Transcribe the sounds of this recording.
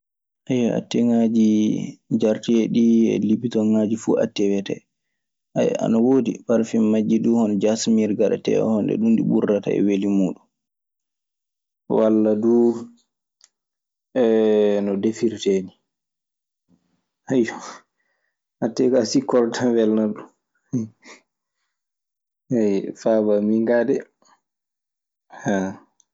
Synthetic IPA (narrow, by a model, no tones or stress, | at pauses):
ʔajaa̰tːɛŋad͡ʒid͡ʒaɾtiɛɗiɛ̰lipitɔŋad͡ʒifuʔa̰tːɛwɛtɛ̰ | aa̰nawoːdḭpaɾfimmad͡ʒːiduhɔnd͡ʒasmiɾɡaɗa̰tɛ̰ɔ̰hɔndɛ̰ɗundiɓuɾːata̰ɛ̰welimuːɗun | walːadu | ɛnɔdefiɾteːni | hajɔ | hatːɛkasikɔɾtʰawɛlnaɗun | ɛjfabamiŋɡadɛ | ha